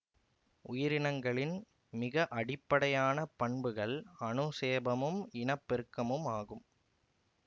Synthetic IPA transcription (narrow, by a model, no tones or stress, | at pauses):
ʔʊjɪɾɪnɐŋɡɐɭɪn | mɪɣɐʔɐɽɪpːɐɽɐjaːnɐpɐɳbɯɣɐɭɐnɯseːbɐmɯmɪnɐpːɛɾkːɐmɯmaːɣɯm